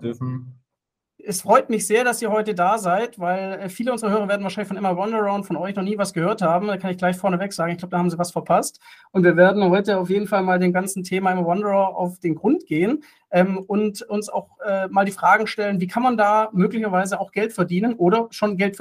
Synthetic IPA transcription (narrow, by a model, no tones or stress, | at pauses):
d | ʔɛsfʁ̥ɔʏtmɪçz̥eːɐdasiːɐhɔʏtədaːzaɪtvaɪlɛːfiːləʔʊnzəʁəhøːʁ̞ɐveɐdn̩vaːʃaɪlɪçfɔnʔɪmɐwɔndəʁɐʊntfɔnʔɔʏçnɔχniːvasɡ̥əhøːɐthaːbm̩daːkʰanɪçɡ̥laɪçfɔɐnəvɛkz̥aːɡŋ̩ɪçɡ̥laʊə̥d̥ahaːmziːvasfɛɐpʰastʔʊntv̥iːɐveːɐdn̩hɔʏtəaʊfjeːdn̩falmaːldeːnɡant͡sn̩tʰeːmaʔɪmɐwɔndəʁɐʔa̰ʊfd̥eːnɡʁʊntɡ̥eːən | ʔɛːmʊntʊnsa̰ʊxʔɛːmaːldiːfʁ̥aːɡŋ̩ʃtɛlənviːkʰanmandaːmøːklɪçɐvaɪzəaʊxɡ̥ɛltfɛɐdiːnənʔoːɾɐʃoːnɡɛltf